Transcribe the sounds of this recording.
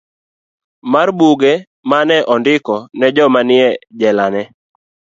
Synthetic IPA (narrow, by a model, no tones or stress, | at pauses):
marbuɡe | manɛʔɔndɪkɔnɛd͡ʒɔmanɪɛd͡ʒɛlanɛ